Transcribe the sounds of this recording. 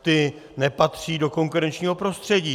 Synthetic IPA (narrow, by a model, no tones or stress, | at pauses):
t̪ɪ | nɛpat̪r̝̥iːdo̞ko̞ŋkuɾɛnt͡ʃɲiːɦo̞pɾo̞st̪r̝̥ɛɟiː